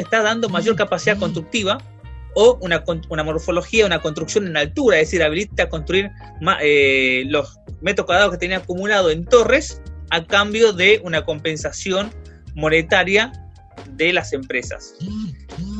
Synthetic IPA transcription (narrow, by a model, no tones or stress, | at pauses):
eht̪aðand̪o̞maʒo̞ɾkapasiðako̞nst̪ɾuk̚t̪iβa | ounakounamo̞ɾfo̞lo̞xiaunakonst̪ɾuksjo̞nenalt̪uɾaeðesiɾaβ̞ilit̪ako̞nst̪ɾuiɾ | maʔelos | met̪ɾokwaðɾaðoke̞t̪eniaakumulað̞oe̞nt̪o̞resakambjo̞ðeunako̞mpẽ̞nsasjo̞nmo̞ne̞t̪aɾja | ðe̞lase̞mpɾe̞sa̰s